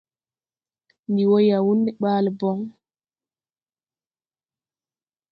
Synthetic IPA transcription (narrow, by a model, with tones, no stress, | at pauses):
ndi˨wo˦ja˨wu˦nːɛ˨ɓaː˦lbɔ˦ŋ